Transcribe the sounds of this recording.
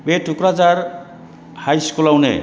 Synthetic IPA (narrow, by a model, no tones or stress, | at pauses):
beʈʰukɾad͡zaɾ | hajskulawnḛ